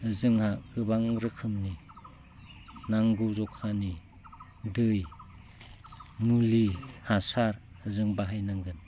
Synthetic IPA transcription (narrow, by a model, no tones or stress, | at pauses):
zɯŋhaɡɯbaŋɾɯkʰɯmni | naŋɡuzɔkʰani | dɯj | mulihasaɾ | zɯŋbaɦajnaŋɡɯn